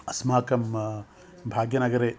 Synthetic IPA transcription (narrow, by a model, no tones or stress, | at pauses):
ɐsmaːkɐm | bʱaːɡjɐnɐɡɐɾe